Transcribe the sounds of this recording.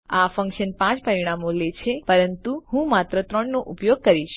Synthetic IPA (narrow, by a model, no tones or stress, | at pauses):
afə̃ŋkʃənpãt͡ʃpɾəɾiɽ̃amolet͡ʃʰepəɾənt̪uhũmat̪ɾət̪ɾəɳnoʔupjoɡ̚kəɾiʃ